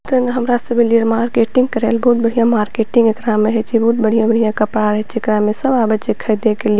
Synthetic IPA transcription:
t̪ənɦəmɾasəbeliəɾmaɾkeʈiŋɡkəɾelbɔɦut̪̚bəɽ̤ijãmaɾkeʈĩŋɡekɾameɦet͡ʃʰibʱɔut̪̚bəɽ̤ijãbəɽ̤ijãkəpɾaɾəɦt͡ʃʰiekɾamesəbabət͡ʃekʰəd̪ekeli

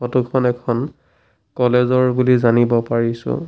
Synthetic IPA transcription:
ɔtukʰɔnɛkʰɔn | kɔlezɔɹbulizanibɔpaɹisʊ̰̃

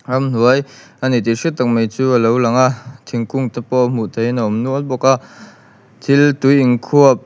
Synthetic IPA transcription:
amn̥uəj | anit̪iʂit̚t̪ːak̚mejt͡suːəlowlɐŋaʔt̪ʰiŋkʊŋt̪apɔʔm̥uʔt̪ʰejnaʔɔmnuɔt̪̚bɔkaʔ | t̪ʰilt̪ujiŋkʰuəp̚

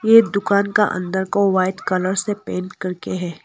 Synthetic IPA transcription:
jed̪ʊkaːnka̰ʔɐ̰̃nd̪əɾkoʋaːɪɖ̪kɐləɾsepeːnkɐɾkeɦɛː

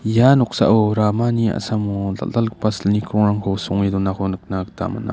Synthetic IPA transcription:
janɔk̚sa̰ʔoɾamania̰samula̰alk̚pasəlnikʰɾɔŋɾaŋkʰɔwsɔŋedɔnakɔnɯk̚nakta̰ma̰na̰

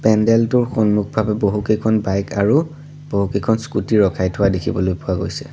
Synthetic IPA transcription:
pɛndɛltʊɹxonmuk̚bʱabɛboɦukejkʰɔnbajka̰ɹu | b̥oɦukejkʰɔnskutiɹɔkʰajtʰʊadekʰibɔlojpʊaɡo̰jsɛ̥̰

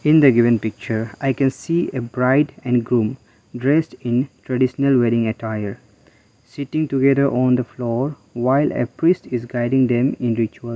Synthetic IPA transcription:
ɪ̃nd̪əɡɪʋə̃npɪk̚t͡ʃəɾaɪkɛ̃nsiːebɾaɪɖɛ̃nɖɡɾũm | ɖɾesʈɪ̃nʈʰɾaɖɪʃənəlʋɛɾɪ̃ŋeʈʰaɪəɾ | sɪʈɪ̃ŋʈuɡed̪əɾʔɔ̃ːnd̪əflɔːɾ | ʋaɪlḛpɾisʈɪzɡaɪɖɪ̃ŋd̪ɛ̃mɪ̃nɾɪt͡ʃuəl

